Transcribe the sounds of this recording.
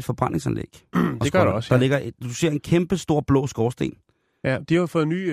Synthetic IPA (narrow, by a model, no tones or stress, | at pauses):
d̥fɒ̽b̥ʁɑ̈n̰e̝ŋsɛnlḛɡ̥deɡ̥ɐɾɒsd̥ɑ̈le̝ɡ̥ɐd̥use̝ɐ̰e̝nkʰemb̥əsd̥o̝ɐ̰b̥lɔ̰̽ːsɡ̥ɒːsd̥e̝̰ːn | jæd̥ihafɔːð̩ˠny̰ː